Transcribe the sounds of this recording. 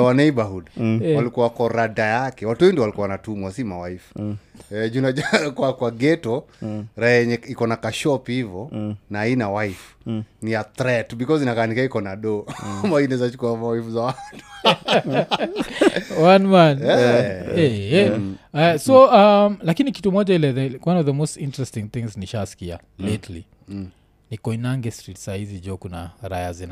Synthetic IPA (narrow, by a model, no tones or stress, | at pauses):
wanaibaɦudwalikuawakɔɾadajakɛwatuindiɔwalikuawanatumwasimawa̰ifu̥ɛd͡ʒunad͡ʒaɾkwakwaɡɛtɔɾaɛɛɲɛikɔnakaʃɔphivɔnainawaifuniat̪ɾɛtbikɔzinakaːnikaikɔnaɗɔmainɛzat͡ʃu̥kuamawaifuzawatu̥ | wanwanɛɛɛ | sɔamlakiniki̥tumɔʄailɛðɛwʔanɔvðəmostĩntɹɛstĩŋθĩŋzniʃasi̥kia̰ | letli | nikɔinaŋɡɛstɾitsahizid͡ʒɔkuna̰ɾa̰jazin